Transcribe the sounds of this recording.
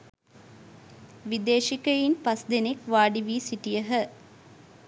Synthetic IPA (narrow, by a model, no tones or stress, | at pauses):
ʋid̪eːʃikəjinpɐsd̪enekʋaːɖiʋiːsiʈijəɦə